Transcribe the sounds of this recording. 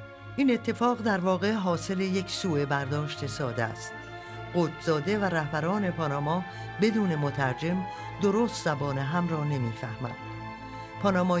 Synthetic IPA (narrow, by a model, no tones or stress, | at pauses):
ʔiːne̞t̪ʰːe̞fɒːɣd̪æɾvɒːɣe̞ɦɒːse̞le̞je̞cʰsuːe̞bæɾd̪ɒːʃt̪e̞sɒːd̪ææ̰st̪ | ɢoːt̪ʰz̥ɒːd̪e̞væɾæhbæɾɒːne̞pʰɒːnɒːmɒː | be̞d̪uːne̞mot̪ʰæɾd͡ʒe̞m | d̪o̞ɾoːst̪zæbɒːneɦæmrɒːne̞miːfæhmæ̰nd̪̥ | pʰɒːnɒːmɒː